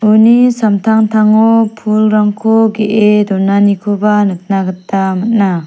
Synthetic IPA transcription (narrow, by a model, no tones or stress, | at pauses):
unisamtʰaŋtʰaŋopʰulɾaŋkʰoɡeʔedɔnanikʰobanɯt̚naɡɯt̚ːamat̚na